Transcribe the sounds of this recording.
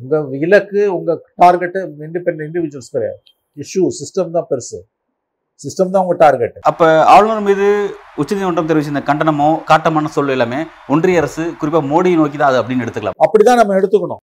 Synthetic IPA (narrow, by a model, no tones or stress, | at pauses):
ʊŋɡɐɪlɐkːɯʊŋɡɐʈaːɾɡɛʈːʋɪɳɖɯpɛnɐɪɳɖɪʋɪd͡ʒʊwɐlskɐɾɐ̰ | ɪʂusɪsʈɐmt̪ãːpɛɾsɯ̰ | sɪsʈɐmt̪ãːʊŋɡɐʈaːɾɡɛʈːɐpːoːaːɭnɐːɾmiːðɯʊt͡ʃːɐɾt̪ːinɐɳʈrɐmt̪ɛɾɪʋɪt͡ʃːɯɪnd̪ɐkɐɳɖɐnɐmõːkaːʈːɐmaːnɐsɔlːɪlameː | ɔɳɖrɐjɐɐɾɐsɯkʊɾɪpːaːmoːɽijnoːk̬ːit̪ãːɐðɯɐpːɐɽɪnːɛɽɯt̪ːɯkːɐɭa̰ːmɐpːɐɽɪt̪ãːnɐmːɐɛɽɯt̪ːɯkːɐɳʊ̰̃